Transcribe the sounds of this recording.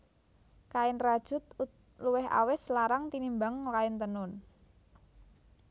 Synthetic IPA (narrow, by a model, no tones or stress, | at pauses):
kaɪnrad̥ʒ̥ṳt̪̚u | luwɪɦa̰wɪslaɾaŋt̪inimbaŋlaɪnt̪ənʊn